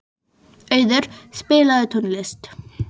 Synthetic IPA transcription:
œɥðʏɾ̥spɪːlaðʏt̪ʰunlɪst̪

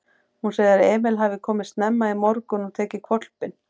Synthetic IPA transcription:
hunseːjðɪɾɛːmɪlɦavɪkʰɔːmɪ̥st̪nɛmːaimɔɾkʏnɔɣt̪ʰɛːcɪkʰvɔt̪l̥pɪn

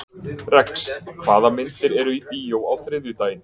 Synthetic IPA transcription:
rɛkskʰv̥aːðamɪnt̪ɪɾɛɾʏipiːjowawθɾɪðʏt̪aːjnɪ

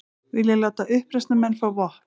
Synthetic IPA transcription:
vɪljalaːwt̪aʔʏhpɾɛst̪namɛnːfawvɔh

